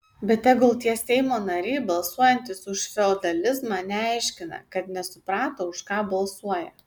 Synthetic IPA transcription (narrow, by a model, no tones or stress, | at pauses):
bʲɛt̪ːʲɛɡʊlˠt̪ʲiɛsʲɛɪmoːnɐɾʲɛɪbɐlˠsuɔjɛnʲt̪ʲɪsʊʃfʲɛoːd̪ɐlʲɪzmɑnʲɛɑɪʃʲkʲɪnɐ̰kɐt̪nʲɛsʊpɾɑːt̪oːʊʃkɑːbɐlˠsuɔjɛ̰